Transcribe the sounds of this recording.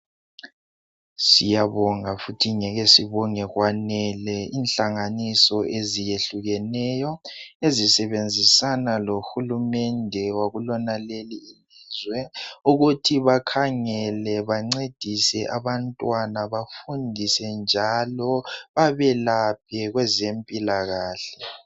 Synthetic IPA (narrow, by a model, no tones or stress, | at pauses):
sijaβɔŋafutʰiŋɛɣɛsiβɔŋɛɣwanɛlɛiːnɬaŋanisɔʔezijeɬuɣɛnɛjɔezisɛβend͡zʱisanaloxulumɛndʱɛwaɣulɔnaleliːlizwɛuɣutʰiβakʰaŋɛlɛβaŋ͡ǀed̥ʱisɛʔaβantʼwanaβafundʱisɛnd͡ʒʱalɔβaβɛlap̚ʰɛɣwɛzempʼilaɣaːɬɛ̥